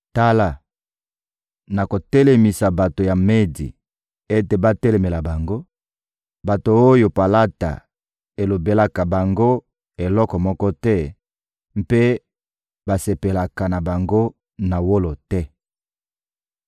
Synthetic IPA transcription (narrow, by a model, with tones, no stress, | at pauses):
ta˦la˨ | na˨ko˨tɛ˦lɛ˨mi˨sa˨ba˨to˨ja˨me˦dḭ˨ | e˦te˨ba˦tɛ˦le˨me˨la˨ba˨ŋɡo˦ | ba˨to˨o˦jo˨pa˨la˦ta̰˨ | e˨lo˨be˨la˨ka˨ba˨ŋɡo˦ | e˨lɔ˦kɔ˨mɔ˦kɔ˦tɛ˦ | m˦pe˦ | ba˨se˨pe˨la˨ka˨na˨ba˨ŋɡo˦ | na˨wo˦lo˨tɛ˦